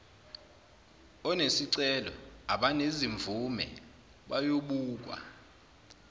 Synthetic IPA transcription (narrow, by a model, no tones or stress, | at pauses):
ɔnesiǀɛlɔ̰aɓaneziɱvʱumɛ̰ | ɓajoɓuːk̬ʼwa̰